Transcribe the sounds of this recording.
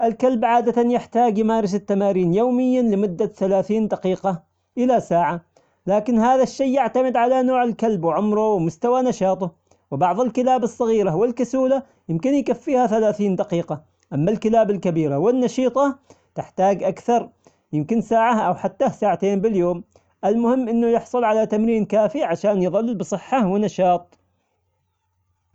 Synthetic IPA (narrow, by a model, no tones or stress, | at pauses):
ʔɪlkalbʕaːd̪at̪anjɪħt̪aːɡjɪmaːɾˤɪsɪt̪ːamaːɾiːnjoːmɪjːalɪmʊd̪ːaθalaːθiːnd̪ɑqiːqɑ | ʔɪlasaːʕa | laːkɪnhaːðaʃːajːɪʕt̪amɪd̪ʕalanoːʕɪlkalbwɪʕʊmɾˤʊwmʊst̪awanɑʃɑːt̪ˤʊ | wɪbɑʕðˤɪlkɪlaːbɨsˤːɑɣiːɾawɪlkasuːla | jɪmkɪnjkafːiːhaθalaːθiːnd̪aqiːqɑ | ʔamːalkɪlaːbalkabiːɾawɪnːɑʃiːt̪ˤɑ | t̪ɪħt̪aːɡʔakθɑɾˤ | jɪmkɪnsaːʕaʔawħat̪ːasaːʕat̪eːnbɪljoːm | ʔɪlmʊhɪmːʔɪnːʊjɪħsˤʊlʕalat̪amɾiːnkaːfiʕaʃaːnjɨðˤɑlːbɨsˤɨħːawɪnɑʃɑːt̪ˤ